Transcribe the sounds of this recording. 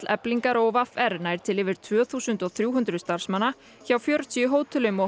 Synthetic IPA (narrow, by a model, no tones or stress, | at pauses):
lɛ̰pliŋkaɾɔwvafɛɾnajɾ̥t̪ʰɪlɪːvɪɾ̥t̪ʰvœːθuːsʏnt̪ɔɣθɾjuːɦʏnt̪ɾʏst̪aɾ̥smanːa | çaːwfjœːɾʏt̪ʰiʏɦoːwt̪ʰʏlʏmɔ